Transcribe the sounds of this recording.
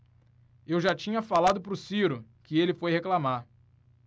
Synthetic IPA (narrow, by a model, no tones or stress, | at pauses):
ewʒat͡ʃĩɲɐfalad̪ʊpɾʊsiɾʊkɪelɪfojheklamaɾ